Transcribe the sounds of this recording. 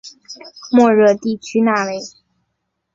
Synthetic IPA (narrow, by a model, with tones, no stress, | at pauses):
mwɔ˥˧ɻɤ˥˧t̪i˥˩t͡ɕʰy˥na˥˩we˥˩ɪ